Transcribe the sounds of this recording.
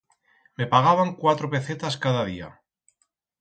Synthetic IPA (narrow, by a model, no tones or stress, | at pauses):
me̞paɣ̞aβ̞aŋkwat̪ɾope̞θet̪askaðað̞ia̰